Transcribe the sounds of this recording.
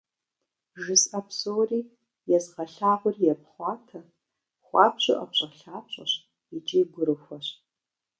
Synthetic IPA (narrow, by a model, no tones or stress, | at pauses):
ʒɨsɐpsowriː | jɛzʁɐɬaːʁʷʊrjɛp̚χʷɑːtʰɐ | χʷɑːpɕʼɪ̰ʔɐpɕʼɐɬaːpɕʼɐ̰ɕ | ɪt͡ʃʼiːɡʷʊɾɨxʷɔɕ